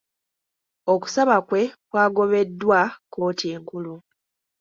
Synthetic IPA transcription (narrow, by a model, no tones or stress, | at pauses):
o̞ku̥saβakwe̞kwaːɡo̞βe̞dːwako̞ːtie̞ːŋkulu